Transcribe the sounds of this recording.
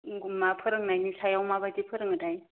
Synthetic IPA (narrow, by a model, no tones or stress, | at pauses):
ɡummapʰɯɾɯŋnajnisajawmabadipʰɯɾɯŋɯdaj